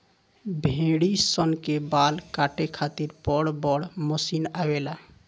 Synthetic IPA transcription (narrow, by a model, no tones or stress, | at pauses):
bʱẽːɽisənkebaːlkaːʈekʰaːt̪iɾpɔɽbɔɽmosiːnawela